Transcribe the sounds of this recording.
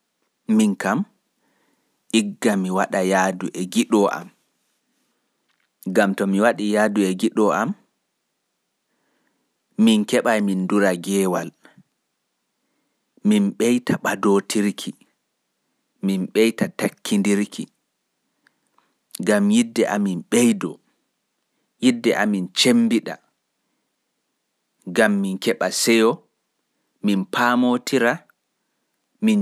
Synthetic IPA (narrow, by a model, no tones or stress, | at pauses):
minkam | ʔiɡːamiwaɗajaːduʔɛɡiɗɔʔa̰m | ɡamtɔmiwaɗijaːduɛɡiɗɔam | minkɛɓajminduɾaɡɛːwal | minɓɛjtʰaɓadotʰiɾkʰi | minɓɛjtatakʰːindiɾkʰi | ɡamjidːɛʔaminɓejdɔ | jidːɛʔamint͡ʃembiɗa̰ | ɡamːinkɛɓasɛjɔ | minpʰaːmotʰiɾa | min